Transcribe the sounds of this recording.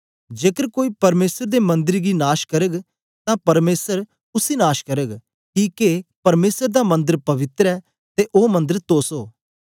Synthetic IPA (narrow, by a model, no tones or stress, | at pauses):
d͡ʒeːkəɾkoːiːpɐɾmeːsəɾd̪emɐ̃nd̪ɪɾɡinaːʃkɐɾəɡ | t̪ãpɐɾmeːsəɾ | ʊsinaːʃkɐɾəɡ | kiːkepɐɾmeːsəɾd̪amɐ̃nd̪əɾpɐʋɪt̪ɾɛː | t̪eʔoːmɐ̃nd̪əɾt̪oːsoː